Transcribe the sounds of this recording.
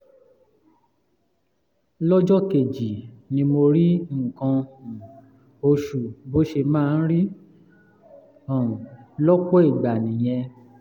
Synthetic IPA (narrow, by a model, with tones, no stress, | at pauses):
lɔ˦d͡ʒɔ˦ke˨d͡ʒi˨nĩ˧mo˧ɾi˦˨kã˧˨ | o˧ʃu˨bo˦ʃe˧mãː˦˧n̩˦ɾi˦ | ɔ˦˨ũ˨lɔ˦k͡pɔ˦i˦˨ɡ͡ba˨nĩ˨j̃ɛ̃˧